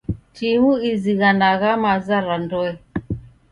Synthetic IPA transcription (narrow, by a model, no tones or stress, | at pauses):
timuiziɣanaɣamazaɾandɔɛ